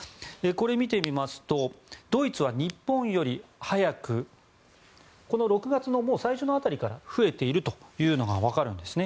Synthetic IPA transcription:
eko̞ɾe̞mʲit̪e̞mʲimasɨ̥t̪o̞d̪o̞it͡sɨβaɲ̟ipːõ̞ɰ̃jo̞ɾʲihajakɯ̟ | ko̞no̞ɾo̞kɯ̟ɡat͡sɨno̞mo̞ːsaiɕo̞noat̪aɾʲikaɾaɸɯ̟e̞t̪e̞iɾɯ̟t̪o̞jɯ̟ːno̞ɡa̰β̞akaɾɯ̟̃nd̪e̞sɨne̞

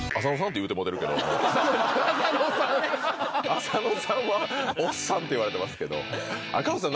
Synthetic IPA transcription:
asanoːs̬ãnt̪ejɯ̟ːt̪emod̪e̞ɾɯ̟ke̞d̪o̰ | asanosã | asanosãɰ̃βaossãnt̪e̞iβaɾe̞t̪e̞masɨ̥ke̞d̪o̞̰ | a̰kãsãn

